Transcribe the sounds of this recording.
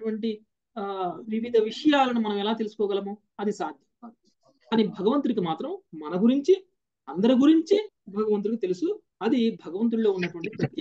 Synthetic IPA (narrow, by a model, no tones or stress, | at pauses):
ɐʈuʋɐɳʈi | ʋiʋid̪ʱɐʋiʂɐjaːlɐnumɐnɐmɛlaːt̪elusu̥kɔːɡɐlɐmu | ɐd̪isaːd̪ʱjɐ | kaːniːbʱɐɡɐʋɐnt̪uɾikimaːt̪ɾɐmmɐnɐɡuɾiɲt͡ʃi | ɐnd̪ɐɾiɡuɾiɲt͡ʃi | bʱɐɡɐʋɐnt̪uɾikit̪elusu | ɐd̪ibʱɐɡɐʋɐnt̪̬ɾuɭo̞ːunːɐʈuʋɐɳʈipɾɐt̪ːj